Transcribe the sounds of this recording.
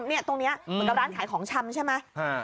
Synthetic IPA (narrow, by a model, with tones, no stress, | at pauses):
mni˥˩ɐt̪o˧ŋni˦˥ɐmɯ˧˨˦ŋka˧pɾaː˦˥nkʰaː˩˦jkʰɔː˨˩˦ŋt͡ɕʰa˧mt͡ɕʰa˥˩jma˦˥a˧˩